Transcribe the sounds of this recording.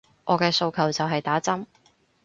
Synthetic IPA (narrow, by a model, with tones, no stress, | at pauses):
ʔɔː˨˧kɛː˧so˧wkʰɐ˨˩wt͡sɐ˨wɦɐ˨jt̪aː˨˥t͡sɐ˥m